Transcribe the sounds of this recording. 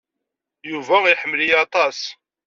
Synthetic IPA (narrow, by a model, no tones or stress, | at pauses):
juvæilħəmːlijɑt̪ˤɑs